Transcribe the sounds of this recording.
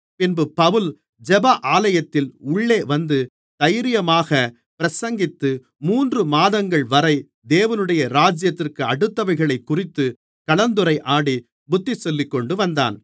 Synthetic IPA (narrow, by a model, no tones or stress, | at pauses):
pɪnbɯpɐʋɯl | d͡ʒɛbɐʔaːlɐjɐt̪ːɪlʊɭːeːʋɐnd̪ɯ | t̪ɐjɾɪjɐmaːɣɐ | pɪɾɐsɐŋɡɪt̪ːɯ | muːndrɯmaːðɐŋɡɐɭʋɐɾɐɪ | d̪eːʋɐnɯɽɐjɐɾaːd͡ʒjɐt̪ːɪrkɯɐɽɯt̪ːɐʋɐɪɣɐɭɐɪkːʊrɪt̪ːɯ | kɐɭɐnd̪ɯɾɐɪʔaːɽi | bʊt̪ːisɔlːɪkːɔɳɖɯʋɐnd̪a̰ːn